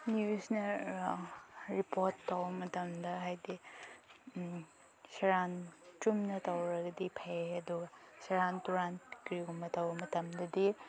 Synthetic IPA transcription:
njusnɐ | ɾipoɾtːɐwbɐmɐtɐmdɐɦajdi | sɐɾant͡ʃumnɐtɐwɾɐɡɐdipʰaɐduɡɐ | sɐɾantuɾankɾiɡumɐtɐwbɐmɐtɐmdɐdi

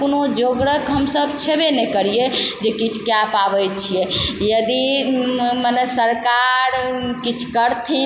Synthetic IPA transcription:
konod͡ʒoɡɾəkɦəmsəbt͡ʃʰebenɛkəɾied͡ʒekit͡ʃʰkjapabɛjt͡ʃʰijɛjəd̪i | mənɛsəɾkaɾkit͡ʃʰkəɾt̪ʰi

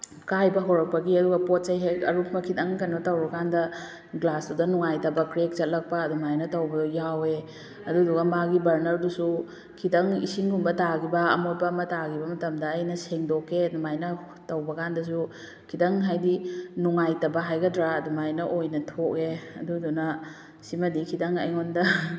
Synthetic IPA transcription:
kajbɐɦoɾɐk̚pɐɡiɐduɡɐpot̚t͡ʃɐjɦekɐɾukʰmɐkʰidɐŋkɐnbɐtɐwbɐkandɐ | ɡlasdudɐnuŋajtɐbɐkɾek̚zɐt̚lɐk̚pɐːdumajnɐtɐwbɐjawe | ɐduduɡɐmaɡibɐɾnɐɾdusu | kʰidɐŋḭsiŋɡumbɐtaɡibɐːmot̚pɐːmɐtaɡibɐmɐtɐmdɐːjnɐseŋdokːeduŋajnɐ | tɐwbɐkandɐs̬u | kʰidɐŋɦajdinuŋajtɐbɐɦajɡɐdɾaːdumajnɐʔojnɐtʰok̚eɐdudunɐ | simɐdikʰidɐŋɐ̰jŋondɐ

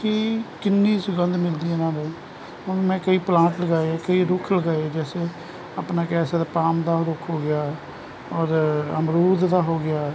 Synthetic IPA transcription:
kiːkɪnːiːsʊɡənd̪mɪld̪iːɛːnãːd̪eː | ʊnmɛ̃ːkəiːplãːʈləɡaːeeːkəiːɾʊkʰləɡaːeeːd͡ʒɛːse | apnaːkɛːsaːd̪aːpaːmd̪aːɾʊkʰɦoːɡɪjaː | ɔːɾəmɾuːd̪d̪aːɦoːɡɪjaː

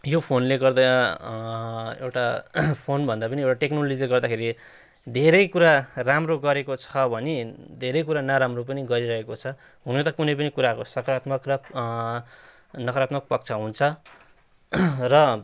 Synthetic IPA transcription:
jopʰonleɡʌrd̪ʌnʌ | ḛwʈapʰonbʱʌnd̪apʌniewʈaʈeknolod͡zieɡʌrd̪akʰeɾi | d̪ʱeɾʌjkuɾaramroɡʌɾekot͡sʰʌbʱʌnid̪ʱeɾʌjkuɾanaɾamropʌniɡʌɾiɾʌɦekot͡sʰʌ | ɦunet̪ʌkunʌjp̬ʌnikuɾakosʌkʌɾat̪mʌkrʌ | nʌkɾat̪mʌk̚pʌk̚t͡sʰʌɦunt͡sʰʌ | rʌ

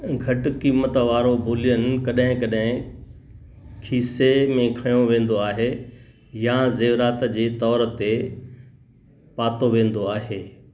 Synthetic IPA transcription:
ɡʱɐʈkiːmət̪ʋaːɾobʱoːlijənɪ̆kɐɗɦɪ̃kɐɗɦɪ̃ | kʰiːsemẽkʰɐjõʋẽːnd̪oaːɦe | jazeːʋɾaːt̪d͡ʑeːt̪ɔːɾt̪e | paːt̪oʋẽːn̆d̪oaːɦeː

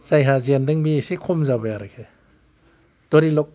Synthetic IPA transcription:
z̥ajɦazendɯŋbisikʰɔmzabajaɾakʰe | d̥ɔɾilɔk̚

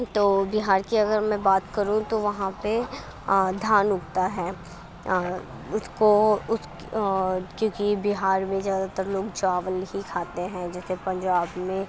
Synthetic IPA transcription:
t̪oːbɪɦaːɾkiɐɡəɾmɛ̃baːt̪kɐɾũt̪oʋɐɦãpe | d̪ʱaːnʊkt̪aɦɛː | ʊskoʊsk | kjõːkibɪɦaːɾmẽzjaːd̪at̪əɾloːɡd͡ʒaːʋəlɦikʰaːt̪eɦɛ̃d͡ʒɛːsepɐ̃ɲd͡ʒaːbmẽ

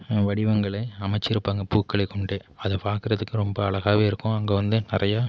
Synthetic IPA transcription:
ʋɐɽɪʋɐŋɡɐɭɐɪɐmɐɪt͡ʃːɪɾɯpːaːŋɡɐpuːkːɐɭɐɪkːɔɳɖeːɐðɛpaːkɪɾɐðɯkːɯɾɔmbɐɐɭɐɣaːʋeːɪɾɯkːʊ̃ɐŋɡeːʋɐnd̪ɯnɪrɐjaː

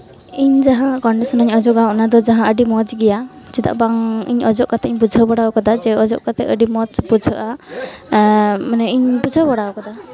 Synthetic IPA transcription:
iɲd͡ʒaɦãkɔɳɖisɔnəɲɔd͡ʒɔkawʔnad̪ɔd͡ʒaɦãəɖimɔd͡ʒɡɛja | t͡ʃid̪a̰ʔbaŋḭɲɔd͡ʒɔʔkat̪ɛʔiɲbud͡ʒʱəbɔɽawkɔd̪ad͡ʒɛɔd͡ʒɔʔkat̪ɛʔəɖimɔd͡ʒbud͡ʒʱəʔa | manɛiɲbud͡ʒʱəbɔɽawkɔd̪a

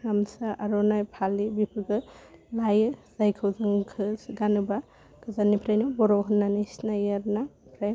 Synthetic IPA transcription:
ɾamsaʔaɾɔnajpʰalibipʰɯɡɯlajɯz̥ajkʰɯwzɯŋkʰɯsɡanɯba | kɯzanipʰɾajnɔbɔɾɔɦɯnːanisnajaɾnapʰɾaj

